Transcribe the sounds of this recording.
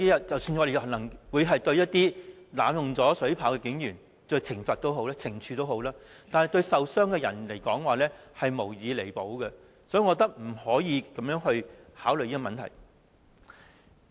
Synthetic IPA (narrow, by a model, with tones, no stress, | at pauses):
i˥jɐ˨˩t̚t͡sɐ˨wsyː˧nŋɔ˨˧de˨˧jnlɐ˨˩ŋwuː˨˧jɦɐ˨jt̪ɵ˧ɥjɐ˥t̚t̪iː˥laː˨˥mjʊ˨ŋt͡sɔː˨˥sɵ˨˥ɥpʰaː˨˥wkɛː˧kɪ˨˥ŋjyː˨˩n | t͡ʃɵ˧t͡sʰɪ˨˩ŋfɐ˨t̚t̪o˥who˨˥wlaː˥t͡sʰɪ˨˩ŋt͡ʃʰyː˨˧t̪o˥who˨˥wlaː˥ | t̪aː˨n˨jt̪ɵ˧ɥsɐ˨wsœː˥ŋkɛː˧jɐ˨˩nle˨˩jkɔː˨˥ŋwaː˨lɛː˥hɐ˨jmo˨˩wjiː˨˧le˨˩jpo˨˧˥wɡɛ˧ | sɔː˨˥˨ŋɔː˨˧t̪ɐ˥k̚m̩˨˩hɔː˨˥jiː˨˧kɐ˨˦mjœː˨˥ŋhɵ˧ɥhaː˨˥wljiː˥kɔ˥˧mɐ˨nt̪ʰɐ̰˨˩j